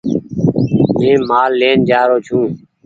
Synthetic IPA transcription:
mẽːmaːlːeːnd͡ʒaːɾoːt͡ʃʰũː

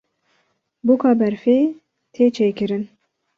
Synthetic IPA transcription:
bukʰɑːbɛɾfeː | t̪ʰeːt͡ʃʰeːkɨɾɨn

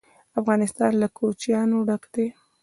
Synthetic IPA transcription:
afɣɑnɪst̪ɑnlakʰot͡ʃjɑnoɽəkd̪̥e

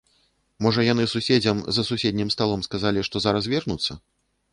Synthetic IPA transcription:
mɔʐɐjan̪ɨsusʲed͡zʲɐmzɐsusʲed̪̚ʲnʲimst̪alˠɔmskazalʲiʂt̪ɔzaɾɐs̬vʲɛrnut̪sːɐ̰

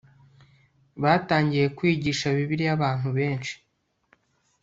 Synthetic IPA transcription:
βaːtaːɲɟije̞kwiːɟiːʃaβiβiɾijaβaːn̥huβe̞ːnʃi̥

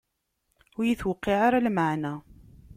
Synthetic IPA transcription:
ʊɾjiθwəqːɪʕaɾalmaʕnæ

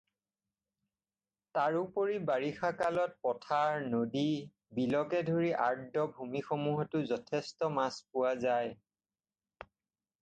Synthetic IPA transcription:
taɹupoɹibaɹixakalɔt̚pɔtʰaɹnodi | bilɔkɛdʱoɹiʔaɹdɔbʱumixomuɦɔtʊzɔtʰɛstɔmaspʊwazaj

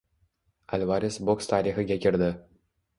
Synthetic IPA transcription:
a̰lʲvɑɾɪsbokst̪ʰɑːɾiχɨɡʲakʲʰɪɾd̪ɪ

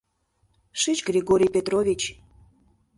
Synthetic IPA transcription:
ʃɨt͡ɕɡɾʲeɡoɾʲijpʲet̪rovʲit͡ɕ

